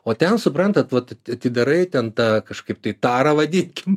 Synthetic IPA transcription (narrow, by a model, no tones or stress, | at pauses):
oːt̪ʲɛnsʊpɾɐnt̪ɐt̪ʋɐt̪ɐtɐt̪ʲɪd̪ɐɾɐɪt̪ʲɛnt̪ɑːkɐʃkɐɪp̚t̪ɐɪt̪ɑːɾɐʋɐd̪ʲɪnʲkʲɪm